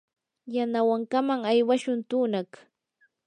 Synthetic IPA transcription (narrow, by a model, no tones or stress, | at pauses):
janawaŋkamaŋajwaʃʊnt̪uːnak